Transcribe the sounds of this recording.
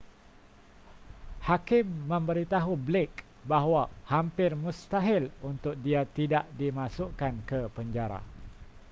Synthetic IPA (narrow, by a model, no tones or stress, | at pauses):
hakɪmːə̃mbəɾit̪aɦublek | baɦwahampɪrmũst̪aɦɪlunt̪ʊk̚diat̪idaʔdimãsʊʔkankəpəɲd͡ʒaɾa̰